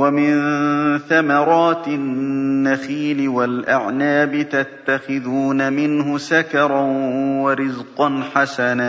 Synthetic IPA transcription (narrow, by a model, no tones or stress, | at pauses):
wamɪnθamɑɾˤɑːt̪ɪnːaxiːlɪwalʔaʕnaːbɪt̪at̪ːaxɪðuːnamɪnhʊsakɑɾˤɑnwaɾɪzqɑnħasanaː